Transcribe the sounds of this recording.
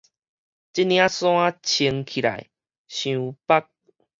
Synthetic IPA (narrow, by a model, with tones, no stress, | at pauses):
t͡ɕi˦nj̃ã˦sw̃ã˦t͡ɕʰi˧ŋkʰi˨ɾa̰˨˩j | ɕjũ˨˧pa˦k̚